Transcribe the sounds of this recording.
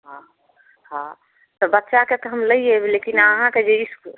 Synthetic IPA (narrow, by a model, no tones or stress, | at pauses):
ɦã | ɦã | t̪ɔbət̪ːʃaket̪ɔɦəmləijeblekinəɦãked͡ʒeisku